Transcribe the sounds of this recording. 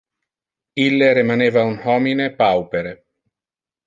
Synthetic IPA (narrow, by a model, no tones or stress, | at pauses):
ilːeɾimaneːvaunhɔːminepawpeɾe